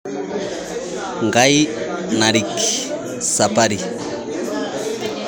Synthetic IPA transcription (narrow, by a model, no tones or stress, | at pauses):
ŋɡainaɾiki | sapaɾi